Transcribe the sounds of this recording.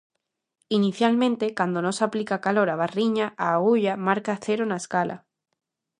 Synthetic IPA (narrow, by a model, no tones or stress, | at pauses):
iniθjalmẽnt̪e̞kwand̪ono̞saplikakalo̞ɾaβ̞ariɲaʔaːɣuʎamaɾkaθe̞ɾonaeskalʔa̰